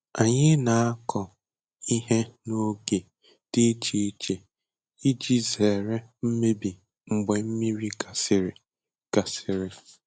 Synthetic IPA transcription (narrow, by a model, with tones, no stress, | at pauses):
a˨ɲɪ˦na˨a˦kʰɔ˨ | i˦ɦe˦no˦ɡe˨ | d̥e˦t͡ʃi˦t͡ʃe˨ | i˦d͡ʒi˦ze˨ɾe˦m̩˦me˦bi˨ | ŋ͡m̩˨ɡ͡be˨m̩˦mi˦ɾi˦ka˨sɪ˨ɾɪ˨ | ka˨sɪ˨ɾɪ˨